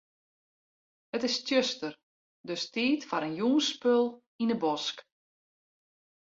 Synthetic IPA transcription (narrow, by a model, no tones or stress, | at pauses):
ətɪstjøstər | døstiːtfaɾənjuːnspølˠ | inəbɔsk